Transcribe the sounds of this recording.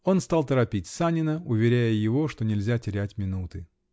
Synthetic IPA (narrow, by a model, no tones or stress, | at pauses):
o̞nst̪ɑlˠt̪əɾɐpʲitʲsanʲɪnəʊvʲɪɾʲæjəjɪvo̞ʂt̪o̞nʲɪlʲzʲatʲɪɾʲætʲmʲɪnut̪ɨ